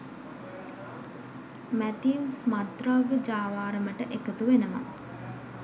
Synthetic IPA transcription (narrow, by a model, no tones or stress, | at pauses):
mæt̪iusmad̪raʋəd͡ʒaːʋaːɾəməʈəʔekət̪uʋenəma̰